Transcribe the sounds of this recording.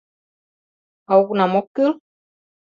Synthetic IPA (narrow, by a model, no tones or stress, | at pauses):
auknamokɨl